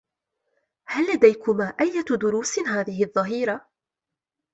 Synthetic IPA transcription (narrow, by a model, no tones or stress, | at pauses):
hælːad̪æjkʊmaːʔæjːat̪d̪ʊɾuːsnɦaːðɪhɪðˤːɑɦiːɾa